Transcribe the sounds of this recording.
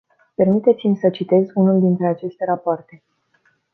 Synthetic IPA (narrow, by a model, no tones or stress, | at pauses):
pe̞rmit̪e̞t̪simʲsət͡ʃit̪e̞zunuld̪int̪ɾe̞at͡ʃe̞st̪e̞ɾapoart̪e̞